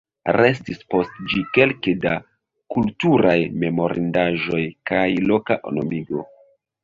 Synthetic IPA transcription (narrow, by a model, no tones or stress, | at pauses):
ɾe̞stispo̞std͡ʒike̞lkeda | kultuɾajme̞mo̞ɾindaʒo̞jkajlo̞kaʔo̰nomiɡo̞